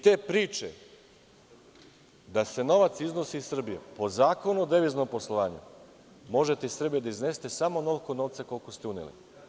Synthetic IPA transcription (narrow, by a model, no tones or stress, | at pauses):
t̪e̞ːpɾiːt͡ʃḛ | d̪ase̞no̞ʋat̪siznosiːsr̩bijepo̞zaːko̞nuod̪eʋizno̞mpo̞slˠoʋaːɲṵ | mo̞ʒe̞t̪eisr̩bijed̪aizne̞ːst̪e̞samo̞no̞lkonoʋt̪sako̞lkost̪eunḛlḭ